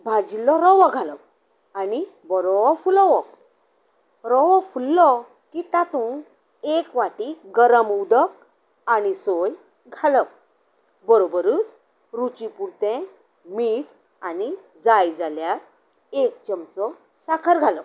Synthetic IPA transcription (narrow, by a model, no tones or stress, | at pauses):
bʱad͡ʑilːɔɾɔʋɔɡʱaləp̚ | ani | bəɾɔʋɔfulɔʋɔk | ɾɔʋɔfulːɔ | kit̪at̪ũ | ekʋaʈiɡəɾəmud̪ək̚ | anisoj | ɡʱalək̚ | bəɾobəɾut͡s | ɾut͡ɕĩpuɾt̪ẽ | miːʈ | ani | d͡zajd͡zaljaɾ | ek̚t͡ɕəmt͡sɔ | sakʰəɾɡʱalə